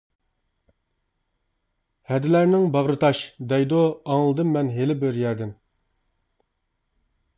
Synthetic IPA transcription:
hɛd̪ɪlæɾnɪŋbɑʁɾɨt̪ʰɑʃd̪ɛjd̪oɑŋlˠɨd̪ɨmːɛnɦelɪbɪɾjɛɾd̪ɪm

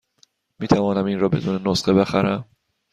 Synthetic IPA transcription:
miːt̪ʰævɒːnæminrɒːbe̞d̪uːnenosxebe̞xæɾæm

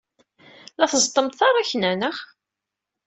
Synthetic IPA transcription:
læθəzt̪ˤːəmt̪θɑɾˤæçnænəχ

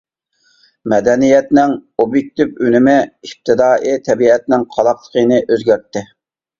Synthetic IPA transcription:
mɛd̪ɛnijɛt̪nɪŋobjek̚ʲt̪ɪpynɪmɪip̚t̪ʰɨd̪ɑːʔit̪ʰɛbiɛt̪̚nɪŋqʰɑlˠɑplˠə̥qʰənɨʔøzɡʲæɾt̪ːɪ

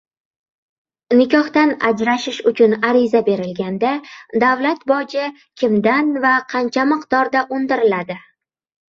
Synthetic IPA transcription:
nɪkʲʰɒht̪ana̰d͡ʒɾaʃɪʃʊt͡ʃʰʊnaɾɪzabe̞ɾɪlɡʲand̪ad̪avlat̪bɒd͡ʒɪ | kʲʰɪmd̪anvaqʰɑnt͡ʃʰamɨqt̪ɒɾd̪aʔʊnd̪ɪɾɪlad̪ɪ

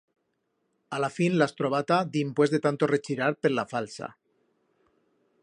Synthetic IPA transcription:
alafinlast̪ɾoβ̞at̪ad̪impwe̞zðe̞t̪ant̪o̞ret͡ʃiɾaɾpeɾlafalsa̰

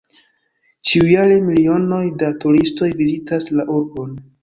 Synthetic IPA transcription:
t͡ʃiujaɾe̞milio̞no̞jdatuɾisto̞jvizitaslaʔuɾbo̞n

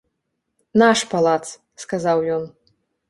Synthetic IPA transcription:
naʂpalˠat̪s | skazawjɔn

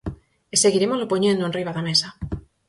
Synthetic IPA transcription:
eseɣiɾemozlopoɲẽnd̪oenriβaðamesa

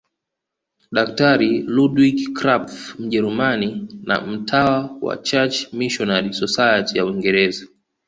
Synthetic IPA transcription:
ɗak̚taɾiludwikkɾapfm̩ʄɛɾumanina̰m̩tʰawawa̰t͡ʃat͡ʃmiʃɔnaɾisɔsajatijauwiŋɡɛɾɛza

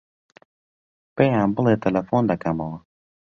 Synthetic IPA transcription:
peãmbəlet̪elɐfond̪akamawa

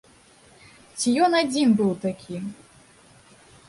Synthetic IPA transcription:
t͡sʲijɔnad͡zʲinbɨwt̪akʲʰi

